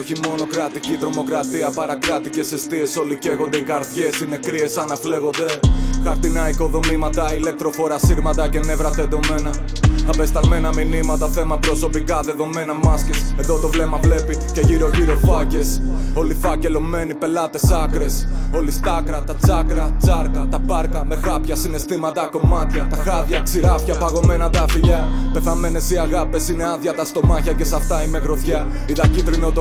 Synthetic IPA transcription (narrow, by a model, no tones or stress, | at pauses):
o̞çimo̞no̞kɾɐt̪icit̪ɾo̞mo̞kɾɐt̪iɐpɐɾɐkɾɐt̪ice̞se̞st̪ie̞so̞lice̞ɣo̞nd̪e̞iɣɐɾθçe̞sine̞kɾie̞sɐnɐfle̞ɣo̞nd̪e̞xɐɾt̪inɐiko̞ðo̞mimɐt̪ɐile̞k̚t̪ɾo̞fo̞ɾɐsiɣmɐt̪ɐce̞ne̞vɾɐθe̞t̪ome̞nɐ | ɐbe̞st̪ɐɣme̞nɐminimɐt̪ɐθe̞mɐpɾo̞so̞pikɐðe̞ðo̞me̞nɐmɐscesend̪ot̪o̞vle̞mɐvle̞pice̞ʝiɾo̞ʝiɾo̞fɐce̞so̞lifɐce̞lo̞me̞nipe̞lɐt̪e̞sɐkɾe̞so̞list̪ɐkɾɐt̪ɐt͡sɐkɾɐt͡sɐɾkɐt̪ɐpɐɾkɐme̞xɐpçɐsine̞st̪imɐt̪ɐko̞mɐt̪çɐt̪ɐxɐðçɐksiɾɐfçɐpɐɣo̞me̞nɐt̪ɐfiʎɐpe̞θɐme̞ne̞siɐɣɐpesine̞ɐðçɐt̪ɐst̪o̞mɐçɐce̞sɐft̪ɐine̞ɣɾo̞θçɐ | it̪ɐcit̪ɾinot̪o